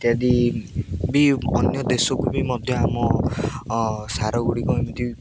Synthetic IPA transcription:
t̪jad̪i | biɔ̰njɔd̪esɔkubimɔd̪ʱjɔamɔ | saɾɔɡuɽikɔimɔt̪i

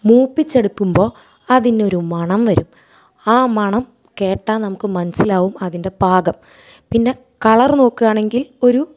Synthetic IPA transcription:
muːpːit͡ɕːe̞ɽut̪ːumbo̞ː | ɐðindo̞ɾumɐɳɐmʋɐɾṵm | aːmɐɳɐm | ke̞ːʈːaːnnɐmukːɨmɐnɐsilaːʋumɐðinde̞baːɡɐm | pinːe̞ | kɐɭɐrno̞ːkːɨɣaːɳe̞ŋɡilo̞ɾu

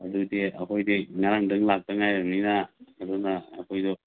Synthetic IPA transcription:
adudeɐkʰojdeŋaɾaŋdɯŋlak̚taŋajɾamninaːduna̰ːkʰojdɔ

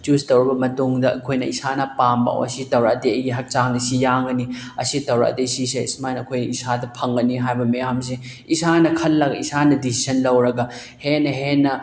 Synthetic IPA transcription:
t͡ʃustɐwɾɐbɐmɐtuŋdɐɐ̰kʰojnɐisanɐpambɐ̰ɐ̰sitɐwɾaɐdeɐjɡiɦɐk̚t͡ʃaŋnisijaŋɡɐniɐ̰sitɐwɾa̰ʔɐ̰desiseḭsmajnɐkʰojnisadɐpʰɐŋɡɐniɦajbɐmɐjams̬e | isanɐkʰɐlːɐɡɐisanɐdisi̥sɐnlɐwɾɐɡɐ | henɐɦenːɐ

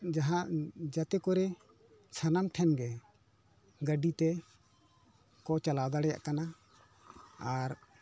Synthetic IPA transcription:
d͡ʒaɦãʔd͡ʒat̪ɛkɔɾɛ | sʰanamʈʰɛnɡɛ | ɡəɖit̪ɛ | kɔt͡ʃalawd̪aɽɛja̰ʔkana | aɾ

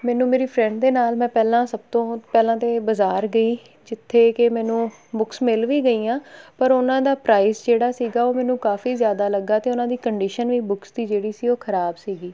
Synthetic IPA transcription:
mɛːnũːmeːɾiːpʰɾɛ̃ːɳɖd̪eːnaːlmɛ̃ːpɛːlãːsəb̚t̪õːpɛːlãːt̪eːbəzaːɾɡəiː | d͡ʒɪt̪ʰːeːkɪmɛ̃ːnũː | bʊksmɪlʋiːɡəiːãːpəɾʊnãːd̪aːpɾaːɪsd͡ʒeːɽaːsiːɡaːoːmɛːnũːkaːfiːzjaːd̪aːləɡːaːt̪eːʊnãːd̪iːkəɳɖiːʃənʋiːbʊksd̪iːd͡ʒeːɽiːsiːoːkʰəɾaːbsiːɡiː

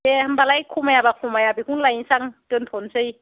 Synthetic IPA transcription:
ehɯmbalajkʰumajabakʰumajabikunlajsaŋtɯntʰɔnsɯj

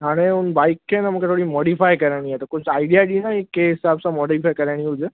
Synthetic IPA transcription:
ɦaːɽ̃eʊnbaːɪkʰːenamũkʰet̪ʰoːɽimɔːɽifajkɐɾaɽ̃iat̪ɐkʊd͡ʑaːɪɖijaɗinaɦɪkːeɦɪsaːbsãmɔːɽifaːjkɐɾaɽ̃iɦʊd͡ʑe

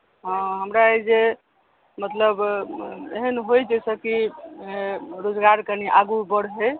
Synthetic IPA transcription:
ɦə̃ɦəmɾaed͡ʒe | mət̪ləb | eɦənɦojd͡ʒɛsə̃ki | ɾod͡ʒɡaɾkəniʔaɡubəɽɦe

